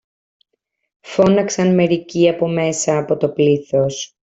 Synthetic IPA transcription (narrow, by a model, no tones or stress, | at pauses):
fo̞nɐksɐnme̞ɾiciɐpo̞me̞sɐːpo̞t̪o̞pliθo̞s